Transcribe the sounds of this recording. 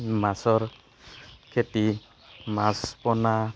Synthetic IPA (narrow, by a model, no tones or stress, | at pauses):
masɔɹ | kʰeti | maspɔna